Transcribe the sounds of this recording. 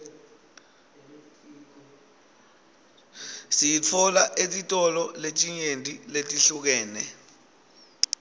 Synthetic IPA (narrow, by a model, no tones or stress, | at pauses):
sijit͡fʰɔlaʔetʼitʼɔlɔlet͡ʃʼiɲentʼiletʼiɬuk̬ɛːnɛ